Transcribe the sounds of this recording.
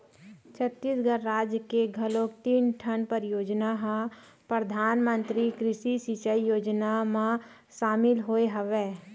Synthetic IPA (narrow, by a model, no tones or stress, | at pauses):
t͡ʃʰət̪ːiːsɡəɾːaːd͡ʒjəkeɡʱɐlõːkt̪iːnʈʰənpəɾjoːd͡ʒnaɦã | pɾəd̪ʱaːnmə̃nt̪ɾikɾɪʃisit͡ʃəijoːd͡ʒnamã | ʃaːmɪlɦoeɦəʋeː